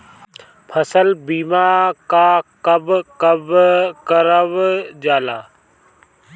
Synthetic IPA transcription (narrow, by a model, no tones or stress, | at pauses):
pʰəsəlbiːmaːkaːkəbkəbkəɾəʋd͡ʒaːlaː